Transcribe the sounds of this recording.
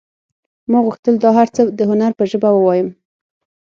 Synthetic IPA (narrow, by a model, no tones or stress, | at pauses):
mɑɡɣuxt̪əld̪ɑɦaɾt͡səd̪əɦʊnaɾpəʒəbawəwɑjəm